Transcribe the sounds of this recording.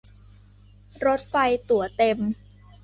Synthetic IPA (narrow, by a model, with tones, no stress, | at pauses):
ɾo˦˥t̪̚fa˧jt̪u˨˩˦ət̪e˧m